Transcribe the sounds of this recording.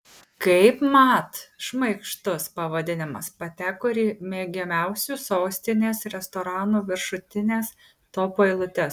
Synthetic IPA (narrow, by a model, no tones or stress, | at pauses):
kɐɪpmɑt̪ʃmɐɪkʃt̪ʊspɐʋɐd̪ʲɪnʲɪmɐspɐt̪ʲæːkoːɾʲiːmʲeːɡʲɛmʲɛʊsʲusoːsʲt̪ʲɪnʲeːsɾʲɛst̪oːɾɑːnuːʋʲɪɾʃʊt̪ʲɪnʲeːs | t̪oːpoɛɪlˠʊt̪ʲe